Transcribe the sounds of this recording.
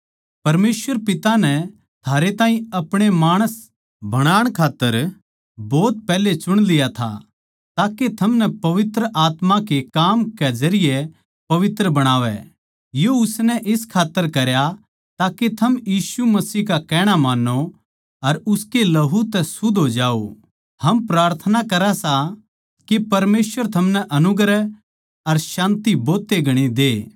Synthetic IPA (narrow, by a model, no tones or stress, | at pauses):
pɐɾmeːsʋəɾpɪt̪anɛ | t̪ʰaːɾet̪ãːĩɐpɽ̃emaːɽ̃əs | bɐɽ̃aːɽ̃kʰaːt̪ːəɾ | bɔːt̪̚pɛːlet͡ʃʊɽ̃lɪjat̪ʰa̰ | t̪aːket̪ʰɐmnɛpɐʋɪt̪ɾəʔaːt̪makekaːmkɛd͡ʒɐɾɪje | pɐʋɪt̪ɾəbɐɽ̃aːʋɛ̰ | joʊsnɛʔɪskʰaːt̪ːəɾkɐɾja | t̪aːket̪ʰɐmjiːsumɐsiːɦkakɛːɽ̃amaːnːo | ɐɾʊskelɐɦut̪ɛsʊd̪ʱɦoːd͡ʒaːo̰ | hɐmpɾaːɾt̪ʰənakɐɾasa | kepɐɾmeːsʋəɾt̪ʰɐmnɛʔɐnʊɡɾɛ | ɐɾʃãːnt̪iboːt̪ːeɡʱɐɽ̃id̪eː